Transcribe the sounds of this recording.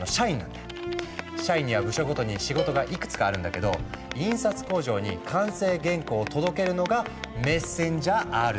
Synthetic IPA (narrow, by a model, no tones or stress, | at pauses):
noɕaĩnːã̰nd̪a | ɕaĩɲ̟ːiβabɯ̟ɕoɡo̞t̪o̞ɲ̟iɕiɡo̞t̪oɡaʔikɯ̥t͡sɨ̥kaːɾɯ̟̃nd̪ake̞d̪o̞̰ĩɰ̃sat͡sɨ̥ko̞ːʑo̞ːɲ̟ḭkʰãɰ̃se̞ːɡẽ̞ŋko̞ːt̪o̞d̪o̞ke̞ɾɯ̟no̞ɡame̞sẽ̞ɲd͡ʑaʔaɾɯ̟